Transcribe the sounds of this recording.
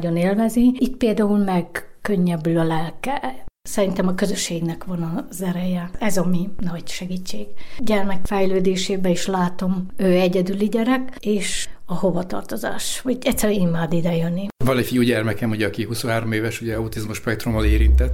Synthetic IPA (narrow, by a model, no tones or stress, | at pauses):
ɟo̞neːlvɛzniit̪peːld̪aːulmɛɡkø̞ɲːɛbylɒlɛlkɛsɛɾint̪ɛmɒkø̞zøʃːeːɡnɛkʋɒnɒzɛɾɛjɛɛzɒminɒɟʃɛɡit͡ʃːeːɡ̥ɟɛrmɛkfɛjløːd̪eːʃeːbɛiʃlaːt̪o̞møːɛɟɛd̪yliɟɛɾɛkeːʃɒho̞vɒt̪ɒ̰rt̪o̞za̰ːʃhoɟɛct̪ʲsːɛɾyimːaːd̪id̪ɛjønːivɒlifijuːɟɛrmɛkɛmuɟɛɒkihusonɦaːɾomeːvɛʃuɟɛɒut̪izmuʃpɛkt̪ɾumːɒleːɾint̪ɛt̪ː